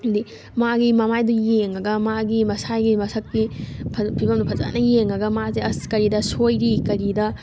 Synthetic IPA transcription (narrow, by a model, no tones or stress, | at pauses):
di | maɡimɐmajdujeŋɐɡɐmaɡimɐsajɡimɐsʰɐkːipʰɐpʰibɐmdupʰɐza̰nɐjeŋɐɡɐmazeɐskɐɾidɐsojɾikɐɾidɐ